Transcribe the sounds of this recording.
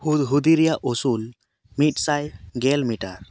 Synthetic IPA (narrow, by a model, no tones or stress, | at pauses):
hud̪ɦud̪iɾɛjaʔʔosul | mit̪̚ˀsajɡɛlmiʈaɾ